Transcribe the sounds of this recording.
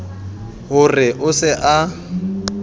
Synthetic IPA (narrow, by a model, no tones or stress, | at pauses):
ɦʊrɪʔʊsɪʔa